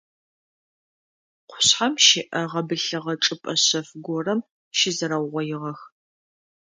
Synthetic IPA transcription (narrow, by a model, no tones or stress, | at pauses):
qʷʰʊ̥ɕħamʃɪʔɐʁɐbɨɬɨʁɐʈ͡ʂʼɨpʼɐɕɐfɡʷɔrɐm | ʃɪzɐɾɐwʁʷɔjɪʁɐx